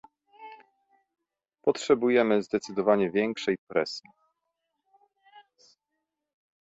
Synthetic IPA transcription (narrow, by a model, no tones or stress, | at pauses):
pɔtʂɛbujɛmɘzd̪ɛt̪sɘd̪ɔvaɲɛvʲjɛŋkʂɛjpɾɛsʲji